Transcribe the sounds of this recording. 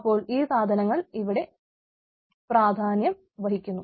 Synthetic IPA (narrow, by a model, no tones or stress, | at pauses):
pːo̞ːɭiːsaːd̪ʱɐnɐŋːɐɭiʋiɽe̞ | praːd̪ʱaːnjɐm | ʋɐɦikʲːunːu